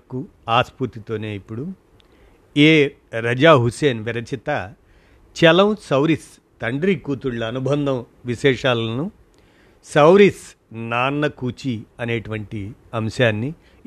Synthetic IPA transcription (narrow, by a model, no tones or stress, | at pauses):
ku | aːspuɾt̪it̪o̞ːne̞ːipːuɽu | eː | ɾɐd͡ʒaːɦuseːnʋiɾɐt͡ʃit̪ɐ | t͡ʃɛlɐwsɐwɾis | t̪ɐɳɖɾikuːt̪uɭlɐɐnubʱɐnd̪ʱɐm | ʋiʃɛːʂaːlɐnu | sɐwɾis | naːnːɐkuːt͡ʃiɐne̞ːʈuʋɐɳʈiɐmʃaːnːi